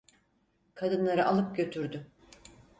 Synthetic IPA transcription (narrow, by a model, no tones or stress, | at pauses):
kʰad̪ɯnlˠaɾɯʔalˠɯp̚ɟø̞t̪ʰyɾd̪y